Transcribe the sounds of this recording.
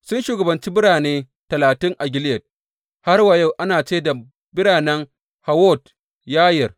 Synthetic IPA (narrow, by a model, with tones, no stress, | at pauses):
sʊ˦nʃuː˨ɡɐ˨bɐ˨nt͡ʃi˦bɪ˦ɽaː˨neː˦ | tɐ˨laː˨tɪ˦ŋʔa˨ɡʲɪ˦ljɐ˨t̚ | ha˦rwa˨ja˦˨wʔa˦naː˨t͡ʃeː˦da˨ | bɪ˦ɽaː˨nɛ˦ŋ | ha˨wɔ˦˨t̚ | jaː˦jɐ˨r